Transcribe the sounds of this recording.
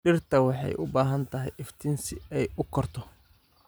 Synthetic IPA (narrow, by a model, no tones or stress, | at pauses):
ɖɪrt̪ʰɐwɑħɑ̰jʔʊbaːɦɐnt̪ʰɐɦɛjʔɪft̪ʰɪnsɪɛjʊkʰɔrt̪ʰɔ